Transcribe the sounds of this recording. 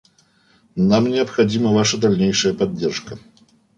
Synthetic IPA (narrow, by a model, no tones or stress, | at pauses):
namnʲɛɐpxad͡zʲimɐvaʂɐd̪alʲnʲejʂɐjɐpadʲːɛrʂkɐ